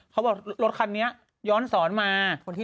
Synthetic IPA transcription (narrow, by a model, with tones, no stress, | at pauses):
kʰa˦˥wbɔː˨˩k̚lo˦˥t̪̚kʰa˧nːi˦˥ɐ | jɔː˦˥nsɔː˩˦nmaː˧